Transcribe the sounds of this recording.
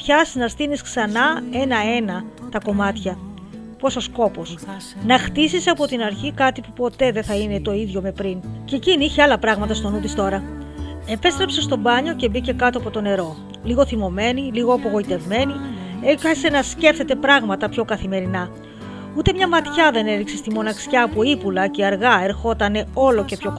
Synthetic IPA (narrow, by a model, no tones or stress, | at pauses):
pçɐsnɐst̪inisksɐnɐe̞nɐe̞nɐt̪ɐko̞mɐt̪çɐ | po̞so̞sko̞po̞snɐxt̪isiseɐpo̞t̪inɐɾçikɐt̪ipupo̞t̪e̞ðeθɐine̞t̪o̞iðʝo̞me̞pɾinceciniiçeɐlɐpɾɐɣmɐt̪ɐst̪o̞nud̪ist̪o̞ɾɐ | e̞pe̞st̪ɾe̞pse̞st̪o̞bɐɲo̞ce̞bice̞kɐt̪o̞ɐpo̞t̪o̞ne̞ɾo̞ | liɣo̞θimo̞me̞niliɣo̞ɐpo̞ɣo̞it̪e̞vme̞nieçese̞nɐsce̞fθe̞t̪e̞pɾɐɣmɐt̪ɐpço̞kɐθime̞ɾinɐ | ut̪e̞mɲɐmɐt̪çɐðe̞ne̞ɾikse̞st̪imo̞nɐksçɐːpoipulɐce̞ɐɾɣɐe̞ɾxo̞t̪ɐne̞o̞lo̞ce̞pço̞